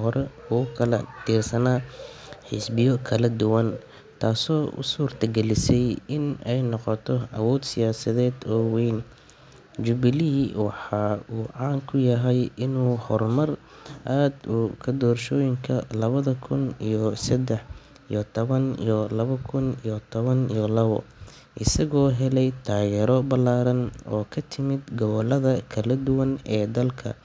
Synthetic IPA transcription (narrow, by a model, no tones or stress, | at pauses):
hɔɾɛʊkʰɐlɐ̰t̪ʰiːrsɐnaːħɪsbɪjɔkʰɐlɐd̪ʊwɐn | t̪ʰaːsɔːʔʊ̰suːrt̪ʰɐɡɛlɪsɛjɪnɛjnɔqɔt̪ʰɔɐwɔːd̪sɪjaːsɐðɛːd̪ɔːwɛjn | d͡ʒʊβɪliwɑħɑːuːʕɑːŋkʰʊjɐɦɛjʔɪnuːhɔrmɐr | ʔaːd̪ʊkʰɐd̪ɔːrʃɔːjɪŋkʰɐlɐβɐðɐkʰʊnijɔsɛd̪ɛħ | ḭjɔt̪ʰɔβɐnḭjɔlɐβɐkʰʊnijɔt̪ʰɔβɐnijɔlɐβɔ̰ | ʔɪsɐɣɔːɦɛlɛjt̪ʰaːɣɛːɾɔbɐlaːɾɐnɔːkʰɐt̪ʰɪmɪd̪ɡɔβɔlɐðɐkʰɐlɐd̪ʊwɐnɛːd̪ɐlkʰɐ̰